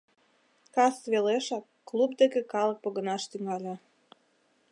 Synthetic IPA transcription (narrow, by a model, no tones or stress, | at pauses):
kɑsβeleʃɑkːlub̚d̪ekekɑlək̚pŏɣə̆nɑʃt̪yŋɑlʲe